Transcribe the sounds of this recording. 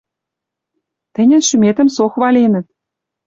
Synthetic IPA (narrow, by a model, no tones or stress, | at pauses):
t̪ɘ̆nʲɘ̆nʃymʲet̪ɘ̆msoxβɑlʲenʲɘ̆t̪̚